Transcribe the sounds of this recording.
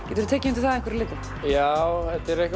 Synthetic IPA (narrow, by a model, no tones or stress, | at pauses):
cɛːt̪ʏɾʏt̪ʰɛːcɪɪnt̪ɪθaðɛ̃ŋkvɛɾilɪːt̪ɪ | jaːwɛt̪ɛɾɛhk